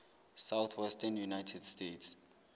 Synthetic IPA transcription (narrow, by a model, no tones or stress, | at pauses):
sawθʰwɛstʰɛnjunajtʰɛdstetʰs